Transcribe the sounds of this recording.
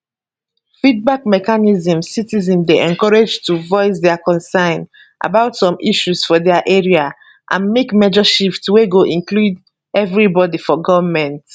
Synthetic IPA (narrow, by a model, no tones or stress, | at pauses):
fid̚bakmɛkanizə̃msitizɛ̃ndeʔɛ̃ŋkɔɹed͡ʒtuvɔɪs̬dɛakɔ̃nsãɪn | ʔa̰baʊtsɔ̃miʃusfɔdɛaʔɛɹia | ʔã̰nmekmɛd͡ʒəʃiftweɡoʔĩŋklud | ɛvɹibɔdifɔɡɔvəmɛ̃nt